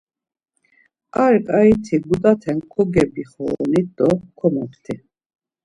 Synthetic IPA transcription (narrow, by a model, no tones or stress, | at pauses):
aɾkʼait̪ʰiɡut̪ʼat̪ʰɛŋkʰɔɡɛbiχɔːnid̪ɔkʰɔmɔkt̪ʰi